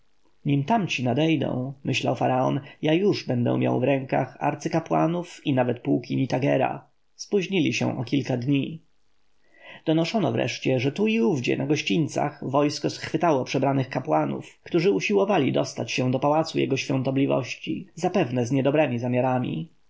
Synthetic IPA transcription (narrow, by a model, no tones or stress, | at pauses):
ɲimt̪amt͡ɕinad̪ɛjd̪ɛ̰̃w̃mɘɕla̰wfaɾaɔnjajuʐbɛnd̪ɛ̰̃mʲja̰wvɾɛŋka̰xa̰ɾt̪sɘkapwa̰nufinavɛt̪puːkʲiɲit̪aɡɛɾa̰ | spuʑɲilʲiɕɛ̰̃ʔɔkʲilkad̪ɲi | d̪̥ɔnɔʂɔnɔvɾʔɛ̰ʂt͡ɕɛʐɛt̪uiuvd͡ʑɛ̰naɡɔɕt͡ɕinʲt̪sa̰xvɔjskɔsxfɘt̪awɔpʂɛbɾanɘxkapwanṵfkt̪uʐɘuɕiwɔvalʲid̪ɔst̪at͡ɕɕɛ̃d̪ɔpawat̪sujɛ̰ɡɔɕfʲjɔ̃nt̪ɔblʲivɔ̰ɕt͡ɕizapɛvnɛzɲɛd̪ɔbɾɛmʲizamʲjaɾamʲḭ